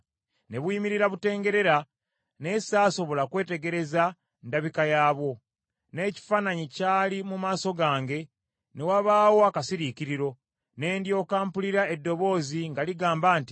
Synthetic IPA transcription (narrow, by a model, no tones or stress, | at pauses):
ne̞βwiːmiɾiɾaβute̞ːŋɡe̞ɾe̞ɾa | ne̞saːso̞βo̞lakwe̞ːte̞ɡe̞ɾe̞za | ndaβikajaːβo̞ | ne̞ːci̥faːnaɲicaːlimumaːso̞ɡaːŋɡe̞ | ne̞waβaːwo̞akasiɾiciɾiɾo̞ | ne̞ːndjo̞ːkaːmpuliɾaedːo̞βo̞ːziŋɡaliɡaːmbaːnti̥